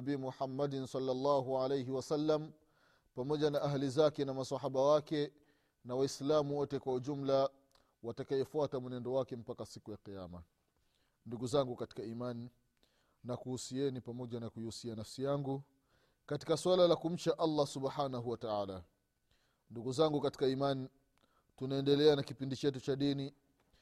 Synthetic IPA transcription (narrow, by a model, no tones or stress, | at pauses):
bimuħamːadinsɑlːalːɑːɦuʕalejɦiwasalːam | pamɔʄanaʔaɦlizakɛnamasaɦaɓawakɛ | nawaislamuwɔtɛkwauʄum̩la | watakajɛfuatamunɛndɔwakɛm̩pakasikujaqijama | nduɡuzaŋɡukati̥kaimani | nakuhusiɛnipamɔʄanakujiusianafsijaŋɡu | kati̥kaswalalakum̩t͡ʃaʔalːasuɓħanaɦuwataaːla | nduɡuzaŋɡukati̥kaiman | tunaɛndɛlɛanakipindit͡ʃɛt̬ut͡ʃaɗini